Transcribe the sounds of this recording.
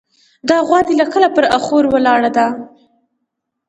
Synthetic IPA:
d̪ɑɣwɑd̪ilakəlapəɾaxoɾwəlɑɽad̪a

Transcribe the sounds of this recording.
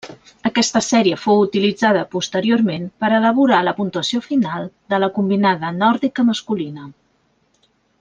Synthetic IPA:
əkɛst̪əsɛɾiəfowut̪ilid͡zaðəpust̪əɾioɾmenpəɾələβ̞uɾaləpunt̪uəsiofinalˠd̪ələkumbinaðənɔɾðikəməskulinə

